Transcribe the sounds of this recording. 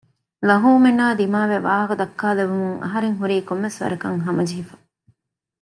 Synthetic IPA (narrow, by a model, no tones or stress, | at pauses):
lɐɦuːmenaːd̪imaːʋeʋaːɦɐkud̪ɐkːaːleʋumuŋɐ̰ɦɐɾeŋɦuɾiːkomːesʋɐ̰ɾɐkɐŋɦɐmɐd͡ʒiɦifɐ̥